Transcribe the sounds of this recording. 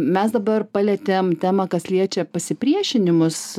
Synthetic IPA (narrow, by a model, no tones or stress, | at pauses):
mʲɛsd̪ɐbɐrpɑlʲɛt̪ʲeːmt̪ʲæːmɐkɐsʲlʲiɛt͡ʃʲɛpɐsʲɪpʲɾʲiɛʃʲɪnʲɪmʊs